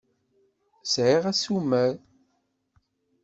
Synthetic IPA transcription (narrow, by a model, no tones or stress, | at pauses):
sʕiʁæsumæɾ